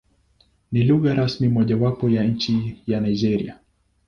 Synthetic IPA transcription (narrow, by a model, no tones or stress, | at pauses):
niluɣaɾasmimɔʄawapɔjaɲ̩t͡ʃijanaid͡ʒɛɾḭa